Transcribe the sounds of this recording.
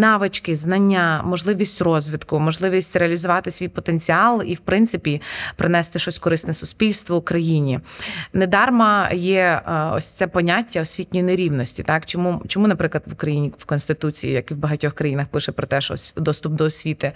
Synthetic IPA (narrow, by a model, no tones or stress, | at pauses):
nɑʋɪt͡ʃkɪznɐnʲːamɔʒlˠɪʋʲisʲtʲrɔzʲʋʲit̪kʊmɔʒlˠɪʋʲisʲtʲɾeɐlʲizʊʋɑt̪ɪsʲʋʲijpɔt̪enʲt͡sʲiɑlˠiwpɾɪnt̪sɪpʲipɾɪnɛst̪ɪʃɔsʲkɔɾɪsnɛsʊsʲpʲilʲst̪ʋɔukɾɐjinʲined̪ɑrmɐjɛɔ̰sʲt̪sɛpɔnʲatʲːɐɔsʲʋʲitʲnʲɔjineɾʲiwnɔsʲtʲit̪ɑkt͡ʃɔmut͡ʃɔmunɐpɾɪklˠɐd̪ʋʊkɾɐjinʲiwkɔnst̪ɪt̪ut͡sʲḭjḭjɐkiwbɐɦɐtʲɔxkɾɐjinɐxpɪʃɛpɾɔt̪ɛʃɔ̰sʲd̪ɔst̪ʊp̚d̪ɔɔsʲʋʲit̪ɪ